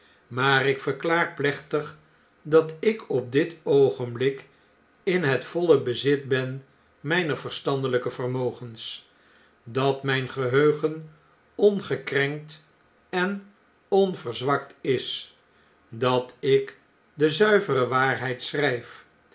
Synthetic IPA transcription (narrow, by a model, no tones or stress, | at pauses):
maːrɪkfəɹklaːɹplɛχtəχ | dɑtɪkɔp̚dɪtowχənblɪk | ɪnɦətfɔləbəzɪtbɛn | mɛjnəɹvəɹstɑndələkəvərmowχəns | dɑtmɛjnχəɦøɥχən | ɔnχəkrɛŋk̚t | ɛn | ɔnvəɹzʋɑktɪs | dɑtɪk | dəzœɥvərəʋaːrɦɛjtsrɛjf